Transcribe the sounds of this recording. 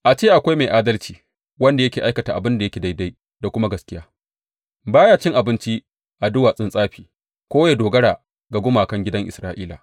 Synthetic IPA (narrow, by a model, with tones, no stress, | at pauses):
ʔa˨t͡ʃeː˦ʔa˨kʷa˦jma˨jʔaː˦dɐ˦lt͡ʃiː˨ | wɐ˦nda˨jɐ˦kʲeː˨ʔa˦jkɐ˨taː˨ʔa̰˨bɪ˦nda˨jɐ˦kʲe˨da˦jda˦j | da˨kʷʊ˦ma˦ɡɐ˨skʲɪ˦jaː˦ | baː˦jaː˦˨t͡ʃɪ˦ŋʔa˨bɪ˦nt͡ʃi˦ | ʔa˨dʊ˦waː˨sʼɪ˦nsʼaː˦ɸiː˨ | kʷoː˦ja˨doː˨ɡɐ˦ɽaː˨ | ɡa˨ɡʷʊ˦maː˨kɐ˦ŋɡʲɪ˦dɐ˦ŋʔɪ˨sɾaː˦ʔiː˦la̰˨